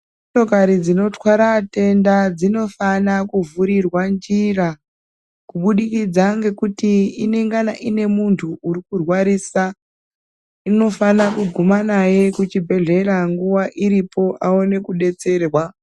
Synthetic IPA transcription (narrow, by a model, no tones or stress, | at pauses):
moto̞kaɾid͡zino̞twaɾate̞ndad͡zino̞fanakuvuɾirwand͡ʒira | kuɓuɗikid͡zaŋɡe̞kutiːne̞ŋɡanaʔine̞muntʰuʔuɾikurwaɾiːsa | ino̞fanakuɡʱumanaje̞kut͡ʃibʱe̞ɮe̞ɾaŋɡuʋaʔiɾipo̞ʔaone̞kuɗe̞t͡se̞ːrwa